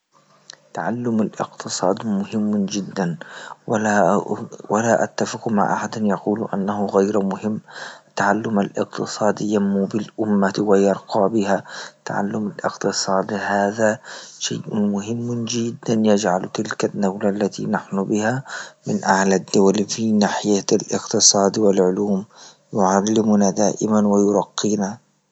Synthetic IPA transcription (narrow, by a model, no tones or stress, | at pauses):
t̪aʕalːʊmalʔɪqt̪ɨsˤɑːd̪mʊhɪmːd͡ʒɪd̪ːanwa | walaʔa̰t̪ːafɪqma̰ʕʔa̰ħad̪njɑquːlʔa̰nːahʊɣajɾmʊhɪmːt̪ːaʕalːʊmalʔɪ̰qt̪ɨsˤɑːd̪jamːʊbɪlʔʊmːawajɑɾˤqɑːbɪhat̪a̰ʕa̰lːʊmalʔɪ̰qt̪ɨsˤɑːd̪haːðaʃa̰ːʔmʊhɪmːd͡ʒɪd̪ːanjad͡ʒʕalt̪ɪlkanːawlaʔlːat̪ḭnaħnʊbɪhamɪnʔahlad̪ːʊwalfinaːħɪjalʔɪ̰qt̪ɨsˤɑːd̪wɪlʕʊluːm | jʊʕalːɪmʊnad̪aːʔɪmanwajʊɾˤɑqːiːna